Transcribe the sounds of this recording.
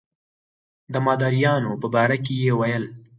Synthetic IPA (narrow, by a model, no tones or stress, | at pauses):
d̪əmɑːd̪aɾijɑnopəbɑɾakejewajəl